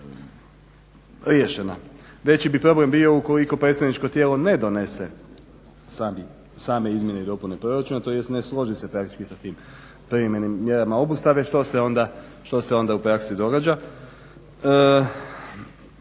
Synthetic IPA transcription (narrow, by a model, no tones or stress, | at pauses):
ɾje̞ʃena | ʋe̞t͡ɕibipɾo̞ble̞mbio̞uko̞liko̞pɾe̞t̪st̪aʋnit͡ʃko̞t̪jelo̞ne̞d̪one̞se | saːbi | saːme̞izmje̞neid̪o̞pune̞pɾo̞ɾat͡ʃunat̪o̞je̞st̪neslˠo̞ʒise̞pɾakt̪i̥t͡ʃkisat̪iːm | pɾiɾeme̞nimːje̞ɾamao̞bust̪aʋeʃt̪o̞seo̞nd̪a | ʃt̪o̞se̞o̞nd̪aupɾaksid̪o̞ɡaːd͡ʑa | ə